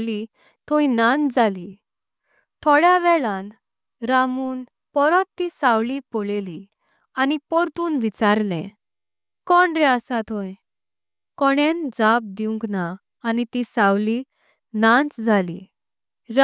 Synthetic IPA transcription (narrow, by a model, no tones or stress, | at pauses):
li | t̪ʰoinãnd͡zʱali | t̪ʰɔɽjaʋɛɭãn | ɾamuːn | pɔɾɔt̪ːisawlipoɭeli | anipɔɾt̪uːnʋit͡saɾlɛ̃ | kɔɳɖɾɛəsat̪ʰõj | kɔɽend͡zab̚d̪iũŋknaː | nit̪isawli | nãnt͡sd͡zʱali | ɾ